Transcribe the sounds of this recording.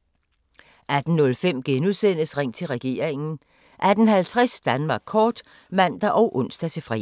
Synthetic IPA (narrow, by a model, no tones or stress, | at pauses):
ʔæd̥n̩nɔ̽lfem̰ɡ̥enusen̰əsʁeŋ̰t͡sʰe̝lʁɛɡ̥e̝̰ːɐ̰eŋn̩ | ʔæd̥n̩ɦælt͡sʰʁɛsd̥ænmɑ̈ːɡ̥̚ʰɒːd̥ | mæn̰d̥æʔɒ̽ʊʔɔ̽n̰sd̥æt͡sʰe̝fʁɛ